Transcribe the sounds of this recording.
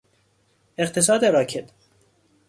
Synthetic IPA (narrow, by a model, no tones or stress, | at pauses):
eqt̪ʰes̬ɒːd̪eɾɒːcʰet̪